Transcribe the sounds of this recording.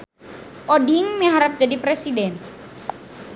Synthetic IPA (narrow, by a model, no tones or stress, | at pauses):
ʔɔdiŋməɦaɾap̚d͡ʒadipɾɛsidɛn